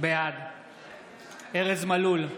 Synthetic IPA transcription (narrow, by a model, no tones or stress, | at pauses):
bead̪ | eʁezmalul